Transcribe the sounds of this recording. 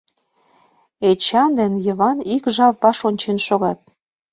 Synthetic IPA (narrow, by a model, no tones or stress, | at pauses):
et͡ɕɑnd̪ænjə̆βɑnikʒɑvːɑʃonʲt͡ɕenʃoɣɑt̪̚